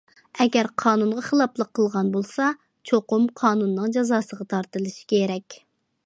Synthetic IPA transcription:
ɛɡʲɛɾqʰɑːnunʁɑχəlˠɑplˠəqʰːəlˠʁɑnbolˠsɑ | t͡ʃʰoqʊmqʰɑːnunːɨŋd͡ʒɑzɑːsəʁɑt̪ʰɑɾt̪ɨlˠɨʃi̥kʲʰeɾɛkʲ

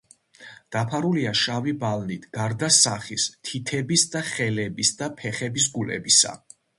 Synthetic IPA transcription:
d̪̥apʰaɾuliaʃavibalnit̪ʰɡ̥aɾd̪asaχist̪ʰit̪ʰɛbisd̪aχɛlɛbisd̪apʰɛχɛbis̬ɡulɛ̰bisa̰

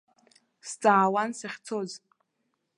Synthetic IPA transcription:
st͡sʼaːwansaχʲt͡sʰoz

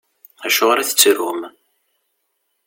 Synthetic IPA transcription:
æʃoʁɾæθə̥t͡sːɾum

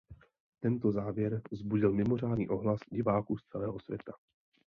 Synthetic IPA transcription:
t̪ɛnt̪o̞zaːvjɛɾzbuɟɪlmɪmo̞r̝aːdnḭːʔo̞ɦlasɟɪvaːkuːst͡sɛlɛːɦo̞svʲjɛ̰t̪a

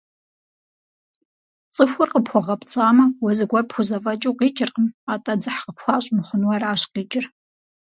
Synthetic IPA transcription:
t͡sʼɨfʷʊrqəpxʷɔʁɐpt͡sʼaːmɐwɔzɨɡʷɐrpxʷʊzɐfʼɐt͡ʃʼuwqiːt͡ʃʼɪrqəmaːtʼɐd͡zɨħqəpxʷaːɕʼmχʷʊnwɐɾaːɕqiːt͡ʃʼɪr

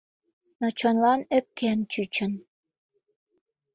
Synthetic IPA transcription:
not͡ɕonlɑnĕp̚kent͡ɕyt͡ɕə̆n

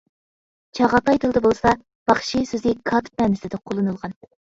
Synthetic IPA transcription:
t͡ʃʰɑʁɑt̪ɑjd̪ʰɨlˠd̪ɨbolˠsɑ | b̥ɑχʃisøzɪkʰɑt̪ʰɨ̥p̚mɛnɪsɪd̪ɪqʰolˠɨnɨlˠʁɑn

